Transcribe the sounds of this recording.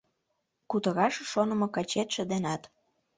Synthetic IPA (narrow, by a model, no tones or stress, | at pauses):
kut̪ɤ̆ɣɑʃʃonə̆mɤ̆kɑt͡ɕet̪ʃə̆d̪enɑt̪